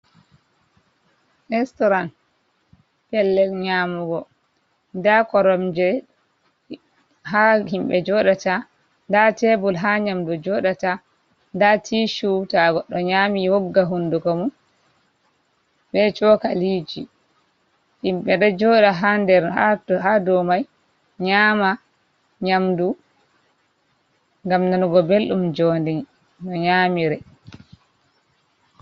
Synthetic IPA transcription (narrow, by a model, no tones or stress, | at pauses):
ɛstɔɾan | pɛlːɛlɲaːmuɡɔ | ndakɔɾɔmd͡ʒɛ | ɦahimɓɛd͡ʒɔɗata | ndatɛbulɦaɲamdɔd͡ʒɔɗata | ndatʰiːʃutaɡɔɗːɔɲaːmiwɔɡːaɦundukɔmun | ɓɛt͡ʃɔkaliːd͡ʒi | ʔimɓɛɗɔd͡ʒɔːɗaɦandɛɾaɦadɔmaj | ɲaːma | ɲamdu | ŋɡamnɔnuɡɔbelɗumd͡ʒɔndin | nɔɲaːmiɾɛ